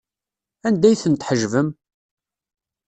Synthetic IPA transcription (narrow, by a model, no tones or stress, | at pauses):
ænd̪æjθənt̪ħəʒvəm